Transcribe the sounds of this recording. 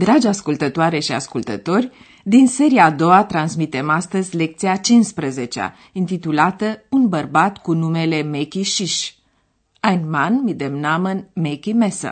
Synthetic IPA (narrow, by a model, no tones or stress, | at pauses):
d̪ɾad͡ʒʲaskult̪ət̪oaɾe̞ʃia̰skult̪ə̰t̪o̞rʲ | d̪inse̞ɾiaːd̪o̞wat̪ɾansmit̪e̞mast̪əzʲle̞k̚t̪siat͡ʃinspɾəze̞t͡ʃea̰ | int̪it̪ulat̪əunbərbat̪kunume̞le̞mekʲiʃiʃ | ajnmanmid̪emnamənmekʲimesa̰